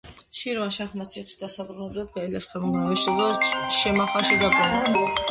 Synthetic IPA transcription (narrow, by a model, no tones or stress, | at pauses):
ʃiɾvanʃaχmat̪sʰiχi̥sd̪asabɾunɛblad̪̚ɡailaskʰɛmand̪naist̪ɔd̪ɛʃɛmaχaʃid̪aban